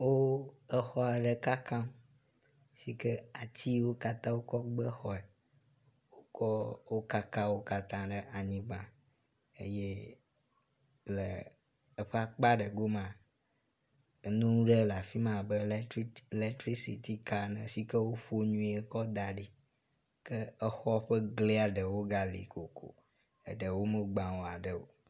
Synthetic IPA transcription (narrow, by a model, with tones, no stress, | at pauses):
wo˦ə˨xɔ˦ɛ˨ɖə˨ka˦kã˦m | si˦kə˦a˨t͡ɕi˦wo˦ka˨t̪ã˦wo˦kɔ˦ɡ͡bə˦xɔ˨ɛ˨ | wo˦kɔ˦wo˦ka˦kã˦wo˦ka˨t̪ã˦ɖə˨ʔa˨ɲĩ˨ɡ͡bã˨ | e˦jɛ˦ | lə̰˨ | ə˦ɸə˦a˦k͡pa˦ɖə˨ɡo˦mã˨ | nũ˦ũ˦ɖə˦la˨fi˦mã˨bə˦lɛ˦t̪ɾi˦sḭ˨t̪i˦ka˨˦nə̰̃˨si˦kə˦wo˦ɸo˦ɲũ˦i˦ə˦kɔ˦d̪a˨ɖi˨ | kə˦ə˦xɔ˦ɸə˦ɡle˦a˨ɖə˨wo˦ɡa˦lḭ˨ko˨ko̰˨ | ə̰˨ɖə˨wo˦mə̃˦ɡ͡bã˨wo˨a˨ɖə˦o̰˨